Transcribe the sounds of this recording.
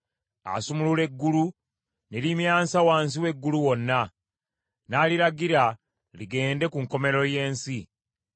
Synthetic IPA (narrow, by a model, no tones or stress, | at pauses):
a̰sumulule̞ɡːulu | nelimjaːnsawaːns̬iwe̞ɡːuluwo̞nːa | naːliɾaɡiɾa | liɡe̞ːnde̞kuŋko̞me̞ɾo̞je̞ːnsi